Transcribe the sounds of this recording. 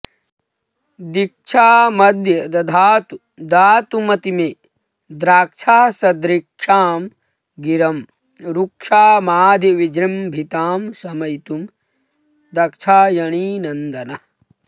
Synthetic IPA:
d̪ik̚t͡ʃʰaːmɐd̪ʱjɐd̪ɐd̪ʱaːt̪u | d̪aːt̪umɐt̪ime | d̪ɾaːk̚t͡ʃʰaːsɐd̪ɾikʂaːm | ɡiɾɐm | ɾukʂaːmaːd̪ʱiʋid͡ʒɾimbʱit̪aːmsɐmɐjit̪um | d̪ɐkt͡ʃʰaːjɐɳiːnɐnd̪ɐnɐ

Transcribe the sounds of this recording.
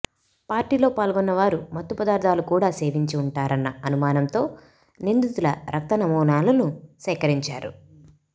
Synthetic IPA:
paːɾʈiːlo̞ːpaːlɡɔnːɐʋaːɾumɐt̪ːupɐd̪aːɾd̪ʱaːlukuːɽaːse̞ːʋiɲt͡ʃiuɳʈaːɾɐnːɐɐnumaːnɐmt̪o̞ː | nind̪ut̪ulɐɾʔɐk̚t̪ɐnɐmuːnaːlɐnusɛːkɐɾiɲt͡ʃaːɾṵ

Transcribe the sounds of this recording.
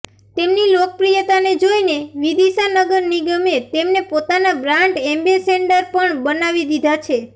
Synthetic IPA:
t̪emnilokəpɾijət̪aned͡ʒoineʋid̪eʃanəɡəɾniɡəmet̪emnepot̪anabɾaɳʈembeseɳɖəɾpəɳbənaʋid̪id̪ʱat͡ʃʰe

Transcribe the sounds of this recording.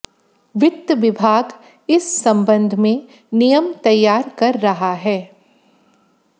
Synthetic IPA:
ʋɪt̪ːʋɪbʱaːɡ | ɪsːɐ̃mbə̃nd̪ʱmẽ | nijəmt̪ɐjːaːɾkɐɾːɐɦaɦɛː

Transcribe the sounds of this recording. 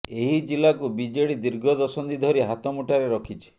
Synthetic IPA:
eɦid͡ʒilakubid͡ʒeɽid̪iɾɡʱɔd̪ɔsɔnd̪id̪ʱɔɾiɦat̪ɔmuʈʰaɾeɾɔkʰit͡ʃʰi̥

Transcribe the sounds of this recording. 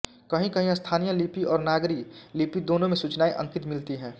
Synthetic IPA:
kɐɦĩkɐɦĩəst̪ʰaːnijəlipiɔːɾnaːɡɾɪklipid̪oːnõmẽsut͡ʃnaːiʔə̰̃ŋkɪt̪mɪlt̪iɦɛ̃ː

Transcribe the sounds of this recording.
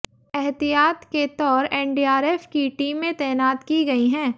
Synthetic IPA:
ɛɦt̪ijaːt̪ket̪ɔːɾɛ̃ːɳɖiːaːɾeːfkiʈiːmːẽt̪ɛːnaːt̪kiɡɐiɦɛ̃ː

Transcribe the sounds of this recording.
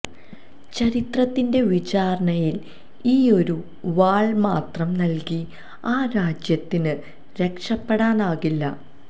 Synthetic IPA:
t͡ɕɐɾit̪rɐt̪ːinde̞ʋit͡ɕaːɾɐɳɐjil | iːo̞ɾu | ʋaːɭmaːt̪rɐmnɐlki | aːɾaːd͡ʑjɐt̪ːinɨ | ɾe̞kʂɐpːeɽaːnaːɣilːɐ

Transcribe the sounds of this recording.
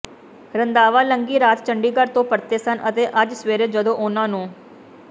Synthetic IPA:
ɾənd̪aːʋaːləŋɡiːɾaːt̪t͡ʃəɳɖiːɡəɾt̪õːpəɾt̪eːsənʔət̪eːʔəd͡ʒsʋeːɾeːd͡ʒəd̪õːʔʊːnãːnũː

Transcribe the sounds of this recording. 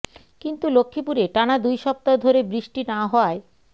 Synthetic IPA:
kint̪ulokʰːipuɾeʈanad̪ujʃɔp̚t̪aod̪ʱoɾebɾiʃʈinaɦɔe

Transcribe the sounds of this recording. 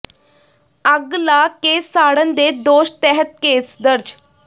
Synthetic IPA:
əɡlaːkeːsːaːɽənd̪eːd̪oːʃt̪ɛɦət̪̚keːsd̪əɾd͡ʒ

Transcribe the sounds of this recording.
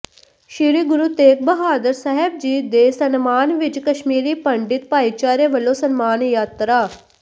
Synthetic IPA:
ʃiːɾiːɡʊɾuːt̪eːk̚bəɦaːd̪əɾsəɦɛb̚d͡ʒiːd̪eːsənmaːnʋɪt͡ʃkəʃmiːɾiːpəɳɖɪt̪̚paːit͡ʃaːɾeʋəloːsənmaːnjaːt̪ɾaː

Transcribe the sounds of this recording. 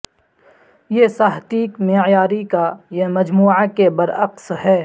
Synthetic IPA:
jesaːɦt̪iːkmejaːɾikajemɐd͡ʒmuːʕakebɐɾɐqsɦɛː

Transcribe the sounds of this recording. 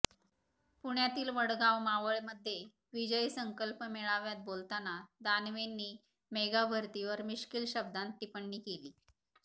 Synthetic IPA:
puɳjat̪iːlʋəɽɡawmaʋəɭməd̪ʱːje | ʋid͡ʑəisəŋkəlpmeɭaʋjat̪̚bolt̪anad̪anʋenːiː | meɡabʱəɾt̪iʋəɾmiɕkilɕəb̚d̪ant̪ːipəɳːiːkeliː

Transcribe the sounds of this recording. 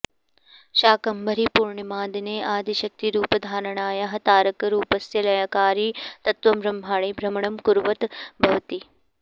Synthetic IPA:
ʃaːkɐmbɐɾipuːɾɳɐmaːd̪ineːʔaːd̪ʱiʃɐk̚t̪iɾuːpɐd̪ʱaːɾɐɳaːjɐɦɐt̪aːɾɐkɐɾuːpɐsjɐlɐjakaːɾiːt̪ɐt̪ʋɐmɾɐmbʱaːɭiːbʱɾɐmɐɳɐmkuɾʋɐt̪bʱɐʋt̪i

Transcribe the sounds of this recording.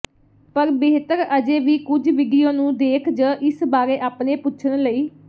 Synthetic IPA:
pəɾbeːɦt̪əɾəd͡ʒeːʋiːkʊd͡ʒʋɪɖijõːnũːd̪eːkʰd͡ʒəːʔɪsbaːɾeːʔaːpneːpʊːʃʰənləiː

